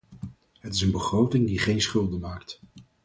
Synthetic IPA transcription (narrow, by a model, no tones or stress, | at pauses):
ɦətɪsənbəχrowtɪŋdiχejnsχʏlˠdənmaːkt